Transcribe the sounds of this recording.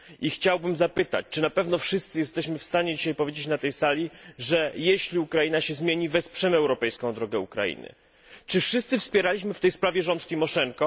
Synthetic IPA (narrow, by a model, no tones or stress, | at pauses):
ʔixt͡ɕawbɘmzapɘt̪a̰t͡ɕt͡ʂɘnapɛvn̪ɔfʂɘst̪sɘjɛst̪ɛɕmɘfst̪aɲɛd͡ʑiɕajpɔvʲjed͡ʑet͡ɕnat̪ɛjsalʲiʐɛjeɕlʲiukɾainaɕɛzmʲjeɲivɛspʂɛmɛwɾɔpɛjskɔ̃w̃d̪ɾɔɡɛukɾa̰jḭnɘ̰ | t͡ʂɘfʂɨst̪sɘfspʲjɛɾalʲiɕmɘft̪ɛjspɾavʲjɛʐɔnt̪t̪ɘmɔʂɛŋkɔ